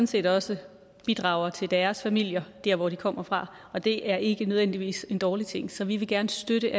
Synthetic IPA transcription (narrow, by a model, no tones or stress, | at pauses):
ɒn̩se̝̰ːd̥ɒ̽sə | b̥id̥ʁɑ̈ːʊ̰ɐt͡sʰe̝ld̥æːɐsfæmil̰jɐd̥æɐ̰ʋɒd̥ikʰɒ̽m̰ɐfʁɑ̈ | ɒ̽d̥e̝ʔæɐʔe̝ɡ̥ənøðˠʋen̰d̥iʋḭːse̝nd̥ɒːlit͡sʰe̝ŋ̰sɒ̽ʋiʋe̝ɡ̥æɐnəsd̥øɾəʔæ